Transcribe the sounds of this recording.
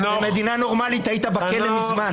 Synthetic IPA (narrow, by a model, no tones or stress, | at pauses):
eme̞d̪inano̞ʁmalit̪hait̪abakelemizman